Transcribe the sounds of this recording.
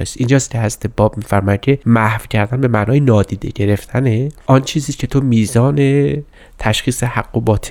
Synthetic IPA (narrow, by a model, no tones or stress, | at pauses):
ḛst̪ʔiːnd͡ʒɒːst̪̚cʰehæzɾæt̪ʰe̞bɒːb̚miːfæɾmɒːjæd̪̥̚cʲʰe̞mæhv̥cʰæɾd̪ænbe̞mæʔnɒːjenɒːd̪iːd̪e̞̰ɟe̞ɾe̞ft̪ʰæneʔɒnt͡ʃʰiːziːscʲʰe̞t̪ʰomiːzɒːne | t̪ʰæʃxiːsehæɡːobɒːt̪ʰ